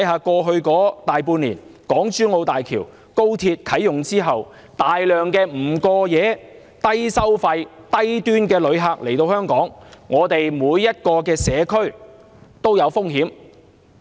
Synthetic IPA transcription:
jɦaː˨˧kɔː˧ɦɵ˧ɥkɔː˨˥t̪aː˨jpuː˧nliː˨˩nkɔː˨˥ŋt͡ʃyː˥nŋo˧wt̪aː˨jkʰiː˨˩w | ko˥wt̪ʰiː˧t̚kʰɐ˨˥jːʊ˨ŋt͡siː˥ɦɐ˨w | t̪aː˨jlœː˨˩ŋkɛː˧m̩˨˩kɔː˧jɛː˨˧ | t̪ɐ˥jsɐ˥wfɐ˧j | t̪ɐ˥jt̪yː˥nkɛː˧lɵ˨˧˥ɥɦaː˧k̚le˨˩jt̪o˧whœː˥ŋkɔː˨˥ŋŋɔː˨˧t̪e˨jmuː˨˧jːɐ˥t̚kɔː˧kɛː˧sɛː˨˧kʰɵ˥ɥ | t̪o˥wjɐ˨˧wfʊ˥ŋhiː˨˥m

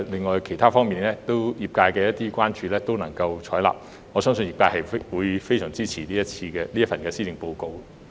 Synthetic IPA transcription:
lɪ˨ŋːɔː˨jkʰe˨˩jt̪ʰaː˥fɔː˥ŋmiː˨˩nlɛː˥t̪o˥wjiː˨˩p̚kaː˧jkɛː˧jɐ˥t̚t̪iː˥kʷaː˥nt͡ʃyː˨˧lɛː˥t̪o˥wnɐ˨˩ŋkɐ˧wt͡ʃʰɔː˨˥jla̰ː˨p̚ | ŋɔː˨˧sœː˥ŋsɵ˧njiː˨˩pkaː˧hɐ˨jwuː˨˧jfe˥jsœː˨˩ŋt͡siː˥t͡sʰiː˨˩liː˥jɐ˥t͡sʰiː˧kɛː˧li˥ɐ˥fɐ˨nkɛː˧siː˥lɪ˨˩ŋpo˧wko˧w

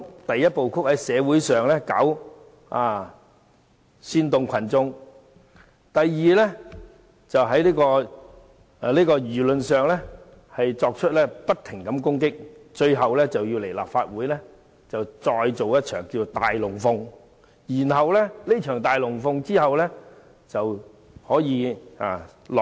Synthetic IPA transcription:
t̪ɐ˨jːɐ˥t̚po˨wkʰʊ˥k̚hɐ˨˥jsɛː˨˧wuː˨˥jsœː˨ŋlɛː˥kɐ̰˨˥w | aː˧ | syː˧nt̪ʊ˨ŋkʷʰɐ˨˩nt͡sʊ˧ŋ | t̪ɐ˨jːiː˨lɛ˥ | t͡sɐ˨wɦɐ˨˥jliː˥kɔː˧˨˧ | liː˥kɔː˧jyː˨˩lɵ˨nsœː˨ŋlɛ˥ | hɐ˨jt͡sɔː˧k̚t͡ʃʰɵ˥t̚lɛː˥pɐ˥t̚t̪ʰɪ˨˩ŋkɐ˨˥mkʊ˥ŋkɪ˥k̚t͡ʃɵ˧ɥɦɐ˨wlɛː˥t͡sɐ˨wji˧wle˨˩jla̰ː˨p̚faː˧t̚wuː˨˥jlɛ˥ | t͡sɐ˨wt͡sɔː˧jt͡so˨wjɐ˥t̚t͡ʃʰœ̰ː˨˩ŋkiː˧t͡so˨wt̪a̰ː˨jlʊ˨˩ŋfʊ˧ŋ | jiː˨˩nɦɐ˨wlɛː˥le˥t͡ʃʰœː˨˩ŋt̪aː˨jlʊ˨˩ŋfʊ˧ŋt͡siː˥hɐ˨wlɛː˥ | t͡sɐ˨w | hɔː˨˥jiː˨˧aː˨˩lɔ˨

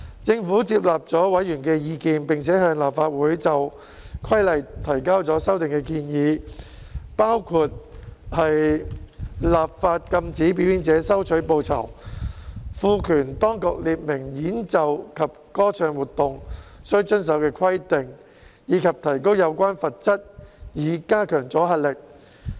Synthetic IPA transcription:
t͡sɪ˧ŋfuː˨˥t͡siː˧p̬̚laː˨p̚t͡sɔː˨˥wɐ˨˥jyː˨˩nkɛː˧jiː˧kiː˧npɪ˨ŋt͡sʰɛː˨˥hœː˧ŋlaː˨pfaː˧t̚wuː˨˥jt͡sɐ˨w | kʰwɐ˥jlɐ˨jt̪ʰɐ˨˩jkaː˥wt͡sɔː˨˥sɐ˥wt̪ɪ˨ŋkɛː˧kiː˧njiː˨˦ | paː˥wkʰuː˧t̚hɐ˨j | laː˨p̚faː˧t̚kɐ˧mt͡siː˨˥pi˨˥wjiː˨˥nt͡sɛː˨˥sɐ˥wt͡ʃʰɵ˨˥ɥpo˧wt͡sʰɐ̰˨˩w | fuː˨˧kʰyː˨˩nt̪ɔː˥ŋkʊ˨˧k̚liː˨p̚mɪ˨˩ŋjiː˨˥nt͡sɐ˨wkʰɐ˨p̚kɔː˥t͡ʃʰœː˧ŋwuː˨˩t̪ʊ˨ŋsɵ˥ɥt͡ʃɵ˥ns̬ɐ˨˥wkɛː˧kʰwɐ˥jt̪ɪ˨ŋ | jiː˨˧kʰɐ˨p̚t̪ʰɐ˨˩jko˥wjɐ˨˧wkʷwaː˥nfɐ˨t̚t͡sɐ˥t̚jiː˨˧kaː˥kʰœː˨˩ŋt͡sɔː˨˥ɦɐ˨t̚lɪ˨˩k̚

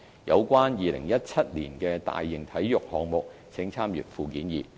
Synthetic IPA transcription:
jɐ̰˨˧wkʷaː˥njiː˨˧lɪ̰˨˩ŋjɐ˥t̚t͡sʰɐ˥t̚liː˨˩nkɛː˧t̪a̰ː˨jːɪ˨ŋt̪ʰɐ˨˥jjʊ˨k̚hɔː˨ŋmʊ˨k̚ | t͡sʰɪ˨˥ŋt͡sʰaː˥mjy̰˨˩t̚fuː˨˩kiː˨˥njiː˨

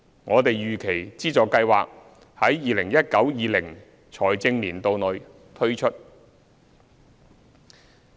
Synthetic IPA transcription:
ŋɔː˨˧t̪e˨jjyː˨˩kʰe˨˩jt͡siː˥t͡sɔː˨˧kɐ˧jwaː˨k̚ | hɐ˨˥jːiː˨lɪ˨˩ŋjɐ˥t̚kɐ˨˥wjiː˨˧lɪ˨˩ŋ | t͡sʰɔː˨˩jt͡sɪ˧ŋnliː˨˩nt̪o˨wnɵ˨˧ɥ | t̪ʰɵ˥ɥt͡ʃʰɵ˥t̚

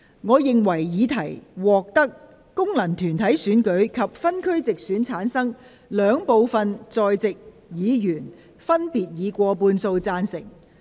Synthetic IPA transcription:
ŋɔː˨˧jɪ˨ŋwɐ˨˩jjiː˨˧t̪ʰɐ˨˩jwɔː˨k̚t̪ɐ˥k̚ː | ʊ˥ŋlɐ˨˩ŋt̪ʰyː˨˩nt̪ʰɐ˨˥jsyː˨˥nkɵ˨˥ɥkʰɐ˨p̚fɐ˥nkʰɵ˥ɥt͡sɪ˨k̚syː˨˥nt͡sʰaː˨˥nsɐ˥ŋ | lœː˨˧ŋpo˨˧wfɐ˧nt͡sɔː˨jt͡sɪ˨k̚ | jiː˨˧jyː˨˩n | fɐ˥npiː˨t̚jiː˨˧kʷɔː˧puː˧nso˧wt͡saː˧nsɪ̰˨˩ŋ

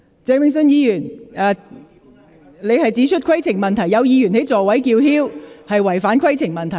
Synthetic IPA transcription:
t͡sɛː˨˧˥wmɪ˨ŋs̬ɵ˧njiː˧jyː˨˩naː˧ | le˨˧jhɐ˨jt͡siː˨˥t͡ʃʰɵ˥t̚kʰɐ˥jt͡sʰɪ˨˩ŋmɐ˨nt̪ʰɐ˨˩jɐ˨˧wjiː˨˧jyː˨˩nhe˨˥jt͡sɔː˨wɐ˨˥jkiː˧whiː˥whɐ˨jwɐ˨˩jfaː˨˥nkʰɐ˥jt͡sʰɪ˨˩ŋmɐ˨nt̪ʰɐ˨˩j

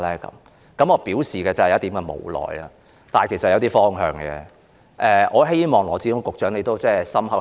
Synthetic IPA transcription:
lɛː˥kɐ̰˨˦m | kɐ˨˥mɔː˧piː˨˥wsiː˨kɛː˧t͡sɐ˨˩˨jt̪iː˨˥mkɛ˧mo̰˨˩wlɔ̰ː˨ja˧ | t̪aː˨jkʰe˨˩sɐ˨˩jɐ˨˧wt̪iː˥fɔː˥ŋɦœː˨ŋɡɛ̰ː˧ | ʔɛː˨˧ʔɔː˨˧ɦe˥jmɔː˨ŋlɔː˨˩t͡si˧kʊ˨˥ŋkʊ˨k̚t͡ʃœː˨˥ŋne˨˧jt̪o˥wt͡sɛː˥sɐ˥mhɐ˨˥

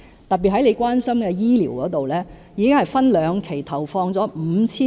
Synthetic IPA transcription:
t̪ɐ˨t̚pːi˨˩hɐ˨˥jle˨˧jkʷaː˥nsɐ˥mkɛː˧jiː˥liː˨˩wkɔː˨˥t̪o˨wlɛː˥jiː˨˧kɪ˥ŋhɐ˨jfɐ˥nlœː˨˧ŋkʰe˨˩jt̪ʰɐ˨˩wfɔː˧ŋt͡sɔː˨˥m̩˨˧˥t͡sʰiː˥

